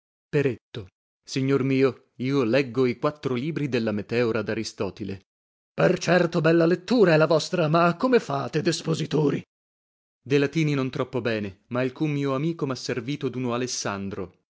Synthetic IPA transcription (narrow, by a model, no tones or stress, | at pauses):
peɾet̪ːo | siɲːormiːo | iːolɛɡːoikwat̪ːɾoliːbɾid̪elːamet̪ɛːoɾad̪aɾist̪ɔːt̪ilḛ | pert͡ʃɛrt̪obɛlːalet̪ːuːɾaɛlːavɔst̪ɾamakːomefaːt̪ed̪espozit̪oːɾi | d̪elat̪iːninont̪ɾɔpːobɛːnemailkujmiːoamiːkomasːerviːt̪od̪unoalesːand̪ɾo̰